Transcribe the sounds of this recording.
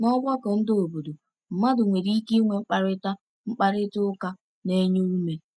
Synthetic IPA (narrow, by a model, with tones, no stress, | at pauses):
nɔ˦bʷa˦kɔ˨n̩˦do˨bo˨do˨ | m̩˨ma˦dʊ˨ŋʷe˨ɾi˦i˦ki˦ŋʷe˨ŋ͡m̩˦k͡pa˨ɾɪ˦ta˦ | ŋ͡m̩˦k͡pa˦ɾɪ˦tʊ˦ka˦ | ne˦ɲo˦u˦me˨